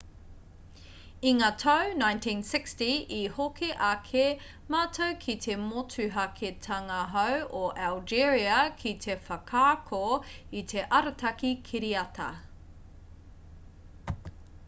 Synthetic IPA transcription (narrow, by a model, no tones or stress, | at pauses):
iŋaːtʰɐwnãjntʰĩːnsɪkstiihokʰeʔɐkʰe | maːtʰowkʰitʰe̞motʰʉɦɐkʰetʰɐŋɐɦɐwʔoʔald͡ʒiɹiɐkʰitʰefɐkʰaːkʰoit̪ʰe̞ʔɐɾɐtʰɐkikʰiɾiɐtʰɐ̰